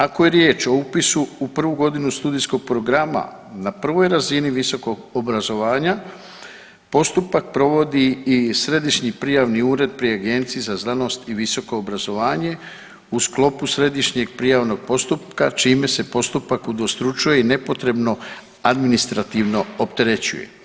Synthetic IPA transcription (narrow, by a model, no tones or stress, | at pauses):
ako̞je̞ɾje̞ːt͡ʃo̞upisuupr̩ʋuɡo̞d̪inust̪uːd̪ijsko̞ɡ̚pɾo̞ɡɾama̰ | napr̩ʋo̞jɾaziniʋiso̞ko̞ɡobɾazo̞ʋaːɲa | po̞st̪upak̚pɾo̞ʋo̞d̪iːsɾe̞d̪iʃɲipɾijaʋniuːɾe̞d̪̚pɾiaɡe̞nt̪sizazlano̞st̪iʋiso̞ko̞ːbɾazo̞ʋaːɲe̞ | usklo̞pusɾe̞d̪iʃɲe̞ɡ̚pɾijaʋno̞ɡ̥̚po̞st̪up̚kat͡ʃiːme̞se̞po̞st̪upakud̪ost̪ɾut͡ʃuje̞ine̞po̞t̪ɾe̞bno̞ | ad̪minist̪ɾat̪iʋno̞opt̪e̞ɾe̞t͡ɕṵje̞̰